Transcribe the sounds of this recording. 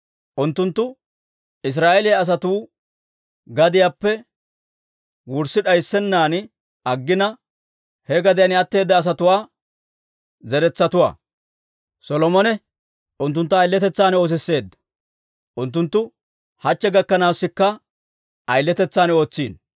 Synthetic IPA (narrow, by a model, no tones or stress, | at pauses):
ʔʊnt̪ːʊnt̪ːʊ | ɪs̬ɾaːʔelɪjɐːs̬ɐt̪uː | ɡɐd̪ɪjaːpːɛ | wʊɾsɪᶑɐjsːɛnːaːn | ɐɡːɪnɐ | hɛɡɐd̪ɪjɐnɪɐt̪ːe̞ːd̪ːɐːs̬ɐt̪ʊwaː | zɛɾɛt͡sːɐt̪ʊwa̰ː | sɔlɔmɔnɛ | ʔʊnt̪ːʊnt̪ːɐːjlːɛt̪ɛt͡sːaːno̞ːs̬ɛsːe̞ːd̪ːɐ̥ | ʔʊnt̪ːʊnt̪ːʊ | hɐt͡ʃːɛɡɐkːɐnaːwsːɪkːɐ | ʔɐjlːɛt̪ɛt͡sːaːno̞ːt͡sːiːn